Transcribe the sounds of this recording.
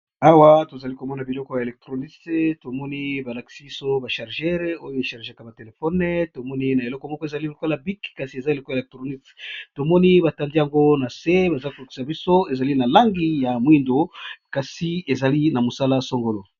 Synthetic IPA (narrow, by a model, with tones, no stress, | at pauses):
a˦wa˦to˨za˨li˦ko˨mɔ˦na˨bi˨lɔ˦kɔ˦ja˨e˨lɛ˨k̚tʁo˨ni˦tto˨mɔ˦ni˦ba˨la˨ki̥˨si˦bi˦so˦ba˨ʃa˨ʁʒɛ˦ʁo˦jo˦e˨ʃa˨ʁʒa˦ka˨ba˨te˨le˨fɔ˦n˦to˨mɔ˦ni˦na˨e˨lɔ˦kɔ˦mɔ˦kɔ˦e˨za˨li˦lo˨ko˦la˨bi˦kka˨si˨e˨za˦e˨lo˦ko˦˨lɛ˨k̚tʁo˨ni˦tto˨mɔ˦ni˦ba˨ta˨ndi˦ja˨ŋɡo˦na˨se˦ba˨za˦ko˨la˨ki̥˦sa˨bi˦so˦e˨za˨li˦na˨la˦ŋɡi˦ja˨mwi˦ndo˨ka˨si˨e˨za˨li˦na˨mo˨sa˦la˦so˦ŋɡo˨lo˨